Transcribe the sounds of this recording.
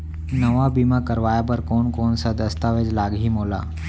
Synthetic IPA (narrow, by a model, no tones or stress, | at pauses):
nəʋabiːmãkəɾʋaːjabəɾkoːnkoːnsad̪əst̪aʋed͡ʒlaːɡɦimoːla̰ː